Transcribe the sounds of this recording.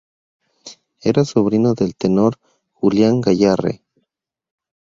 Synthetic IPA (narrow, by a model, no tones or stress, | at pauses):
eɾasoβɾinoðelt̪enoɾ | xuljaŋɡaʝarḛ